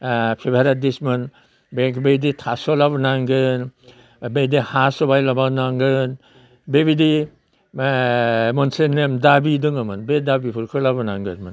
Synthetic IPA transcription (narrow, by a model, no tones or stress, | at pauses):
pʰebʱaɾadismɯn | bekbeiditʰasɔlabɔnaŋɡɯn | bedihasɔbajlabanaŋɡɯn | bebidi | mɔnsenemdabidɯŋɯmɯnbedabipʰɯɾkʰɯlabɯnaŋɡɯ̰ɾmɯn